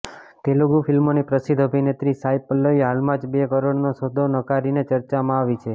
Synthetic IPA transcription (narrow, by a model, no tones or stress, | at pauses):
t̪eloɡufʰilmonipɾəsɪd̪ʱəbʱinet̪ɾisajpəlːəiɦalmãd͡ʒbekəɾoɽnosod̪ʱonəkaɾinet͡ʃəɾt͡ʃamãaʋit͡ʃʰe